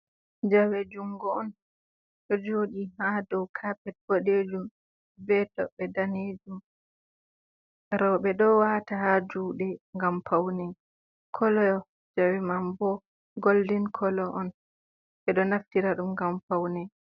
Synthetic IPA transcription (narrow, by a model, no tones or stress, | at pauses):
d͡ʒawed͡ʒumɡɔːn | ɗɔd͡ʒoɗiɦadɔwkʰapɛt̚boɗed͡ʒum | bɛtɔɓɛdaned͡ʒum | ɾɔɓɛɗɔwatahad͡ʒuɗɛŋɡampʰawnɛ | kʰɔlɔjɔ | d͡ʒawɛmambɔ | ɡoldinkʰɔlɔʔɔn | ɓɛɗɔnaftiɾaɗumɡampawnɛ